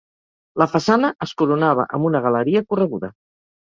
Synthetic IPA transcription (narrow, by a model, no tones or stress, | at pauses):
ləfəsanəʔəskuɾunaβ̞ə̰ʔəmbunəɣələɾiəkurəɣ̞uðə